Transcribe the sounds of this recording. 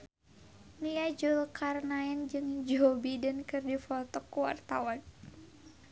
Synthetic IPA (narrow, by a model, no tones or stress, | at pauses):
niad͡ʒulkarnaɛnd͡ʒɨŋd͡ʒobidankɨrdifɔt̪ɔkːuwa̰rt̪awan